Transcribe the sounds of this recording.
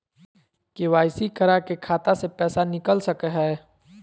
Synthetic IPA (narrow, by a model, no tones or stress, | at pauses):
keʋaːɪsikəɾakekʰaːt̪asepɛːsanɪkəlsəkɦɛː